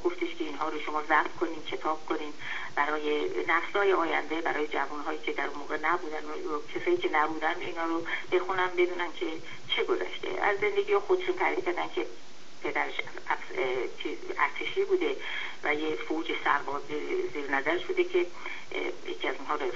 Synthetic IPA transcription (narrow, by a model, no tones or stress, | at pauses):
ɡ̥o̞ft̪iʃkʰeiːnɦɒːɾoʃo̞mɒːzæfkʰo̞niːd̪kʰe̞t̪ʰɒːb̥̚kʰo̞niːd̪ | b̥æɾɒːje̞næflɒːjeɒːjæ̰nd̪e̞bæɾɒːje̞d͡ʒævunɦɒːjiːcʲʰe̞d̪æɾunmoːɣenæbuːd̪æn | ocʰesɒːiːcʰe̞næbuːd̪ænd̪iːnhɒːɾob̥e̞xunæmbe̞d̪uːnæncʰe̞ | t͡ʃʰe̞ɡo̞zæ̰ʃt̪ḛæ̰zːe̞nd̪e̞ɡʲiːɒxod̪eʃunt̪ʰæːɾiːd̪cʰæɾd̪æncʲʰe̞ | pʰe̞d̪æɾeʃ | t͡ʃʰi | æ̰ɾt̪ʰe̞ʃiːbuːd̪e̞ | væjefouːd͡ʒesæ̰ɾbɒːziziːɾnæzæɾeʃbuːd̪ecʰe̞ | jḛcʰiːæzuːnɦɒːɾo